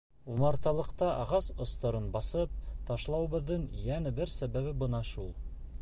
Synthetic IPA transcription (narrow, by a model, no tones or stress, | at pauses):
umɑɾt̪ɑlˠɤ̆qt̪ɑʔɑʁɑsŏst̪ɑɾɤnbɑsɤp̚t̪ɑʃlˠɑwɤ̆βɤ̆ðːɤɴjænɘbɘɾsæβæβɘbɤnɑʃulˠ